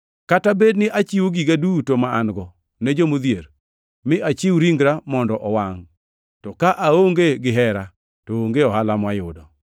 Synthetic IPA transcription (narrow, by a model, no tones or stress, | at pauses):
katabednɪʔat͡ʃɪwoɡiɡadutomaanɡɔ | nɛd͡ʒomod̪jeɾ | mɪʔat͡ʃɪwɾiŋɡɾamɔndɔʔɔwaŋ | tɔkaʔaoŋɡeɡɪɦɛɾa | tooŋɡeɔhalamwajʊdɔ